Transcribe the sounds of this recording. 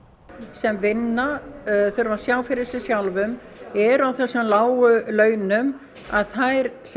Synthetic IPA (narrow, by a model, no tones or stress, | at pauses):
sɛmvɪnːaθʏɾvasjaːwfɪɾɪsɪsjawlvʏm | ɛɾawθɛsːʏmlaːwʏlœːɥnʏm | a̰ðθajɾs